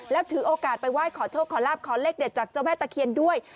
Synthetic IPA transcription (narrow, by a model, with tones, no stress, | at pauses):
lɛː˦˥wt̪ʰɯː˩˦ʔoː˧kaː˨˩t̪̚pa˧jwaː˥˩jkʰɔː˨˩˦t͡ɕʰoː˥˩kʰːɔː˩˦laː˥˩p̚kʰɔː˨˩˦leː˦˥˩k̚de˨˩t̪̚t͡ɕaː˨˩k̚t͡ɕa˧˥˩wmɛː˥˩t̪a˧kʰi˧əndu˥˩əj